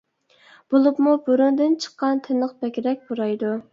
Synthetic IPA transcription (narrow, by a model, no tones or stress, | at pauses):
b̥olˠupmubuɾund̪ɨnt͡ʃʰə̥qːɑnt̪ʰɪnəqbɛkʲɾɛk̚ʲboɾɑjd̪u